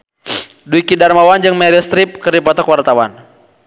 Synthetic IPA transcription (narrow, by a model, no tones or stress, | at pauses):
duikidarmawand͡ʒɨŋmɛɾist̪ɾip̚kɨrdipɔt̪ɔkwart̪awan